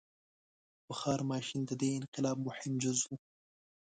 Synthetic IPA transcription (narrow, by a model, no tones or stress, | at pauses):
bəxɑːɾmɑːʃɪnd̪əd̪eɪnqɪlɑːb̚mʊħɪmd͡ʒʊzwu